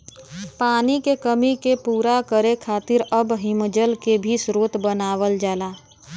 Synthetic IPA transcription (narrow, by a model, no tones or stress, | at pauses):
paːnikekəmikepuːɾakəɾekʰaːt̪ɪɾəbɦɪmd͡ʒəlkebʱisɾoːt̪bənaːʋəld͡ʒaːlaː